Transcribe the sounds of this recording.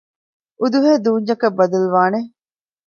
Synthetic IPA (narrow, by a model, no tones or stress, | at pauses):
ʔud̪uɦeːd̪uːɲd͡ʒɐkɐbːɐd̪ɐluʋaːne